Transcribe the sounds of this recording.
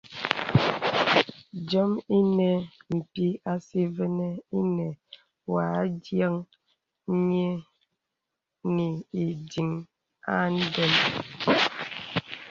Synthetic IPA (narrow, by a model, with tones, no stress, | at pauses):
d͡ʒɔ˦mi˦nɛ˨n̩˨ti˦a˦si˦vɛ˦nɛ˦i˦nɛ˨ | wa˨˦dja˦ŋ˦ | ɲe˦ | ni˨i˨di˨ŋ | a̰˦n̩˦dɛ˦m